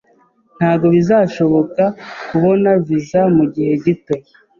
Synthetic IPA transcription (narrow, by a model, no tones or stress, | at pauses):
n̥haːbɡo̞βizaːʃo̞βo̞kakuβo̞navizamuɟihe̞ɟito̞